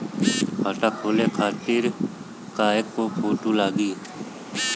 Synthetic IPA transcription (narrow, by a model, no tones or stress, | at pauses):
kʰaːʈaːkʰoːleːkʰaːt̪ɪɾ | kaːekːopʰoːʈuːlaːɡiː